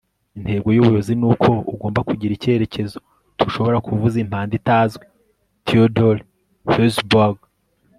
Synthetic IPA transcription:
intʰe̞ːbɡo̞juβujozinuːkʰo̞uɡo̞ːmbakuɟiɾice̞ɾe̞ce̞zo̞̥ | tʰuʃo̞βo̞ɾakʰuvuzim̥haːnditaːzɡwe | tʰiodol | fesbaɡ

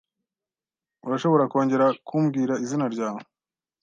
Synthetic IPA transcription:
uɾaʃo̞βo̞ɾako̞ːɲɟe̞ɾakʰuːmɡiːɾaizinaɾɟaːmo

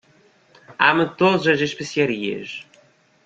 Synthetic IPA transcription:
a̰mɨt̪oðɐzɐzeʃpesiɐɾiɐ̰ʃ

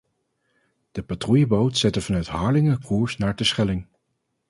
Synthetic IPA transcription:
d̥əpatrujəbowtsɛtəvɑnœɥtɦɑːɹlɪŋəkʰuːɹsnaːɹdəsχɛlɪŋ

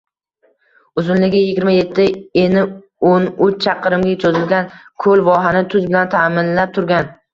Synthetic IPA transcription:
ʊzɪnlɪɡʲɪjɪɡʲɪɾmaje̞t̪ʰːɪenɪ | onʊt͡ʃʰɑqʰɨɾɪmɡʲat͡ʃʰozɪlɡʲankʰolvɒɦanɪt̪ʰʊzbɪlant̪ʰamɪnlap̚t̪ʰʊɾɡʲan

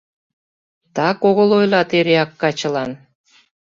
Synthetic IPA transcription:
t̪ɑkoɣə̆lojlɑt̪eɾeɑkːɑt͡ɕə̆lɑn

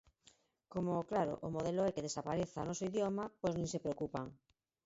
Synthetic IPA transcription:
komoklaɾo̰ʔʊmoðeloɛkeðesapaɾeθaa̰nɔsoiðjomapojznẽŋsepɾeokupaŋ

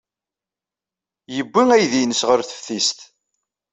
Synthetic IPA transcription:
jəbʷːiŋæjðinəsʁəɾθə̥fθist̪

